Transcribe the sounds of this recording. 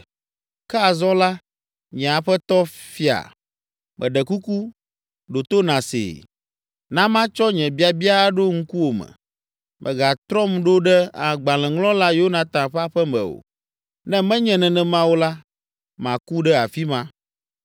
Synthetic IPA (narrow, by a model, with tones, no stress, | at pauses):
kɛ˦a˨zɔ̃˦la˦ | ɲɛ̃˨a˨ɸɛ˦t̪ɔ˦fi˦a̰˨ | mʔɛ̰˨ɖɛ˨ku˦ku˦ | ɖo˨t̪o˦nã˨sḛː˨ | nã˦mã˦t͡ʃɔ˦ɲɛ̃˨bi˦a˨bi˦a˦ɖo˦ŋ̩˦ku˦wo˨mɛ̰̃˨ | mʔɛ̰̃˨ɡa˨t̪ɾɔ˦mɖo˦ɖɛ˦a˨ɡ͡bã˨lɛ̃˨ŋlɔ̃˦la˦jo˦nã˨t̪ã˨ɸa˦ɸɛ˦mɛ̰̃˨o̰˨ | nɛ̃˦mɛ̃˦ɲɛ̃˨nɛ̃˨nɛ̃˨mã˦wo˦la˦ | mã˨ku˦ɖɛ˦a̰˨fi˦mã˦